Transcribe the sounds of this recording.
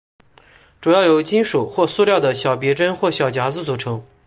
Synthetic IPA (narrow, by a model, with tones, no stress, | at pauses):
ʈ͡ʂu˨˩jɑ˥˩ʊjo˧˥ʊt͡ɕi˥nʂu˨˩xwɔ˥˧su˥˧ljɑ˥˩d̪ə˩ɕjɑ˨˩ʊp̬jɛ˧˥ʈ͡ʂə˥nxwɔ˥˩ɕjɑ˨˩ʊt͡ɕja˧˥t͡sɹ̩˧˩t͡su˨˩ʈ͡ʂʰɤ˧˥ŋ